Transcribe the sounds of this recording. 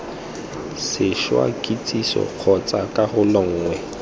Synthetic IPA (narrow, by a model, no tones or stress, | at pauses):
sɪʃwa̰kʼit͡sʼisɔ̰q͡χʰɔt͡sʼakʼarʊlɔŋ̩ːŋwɛ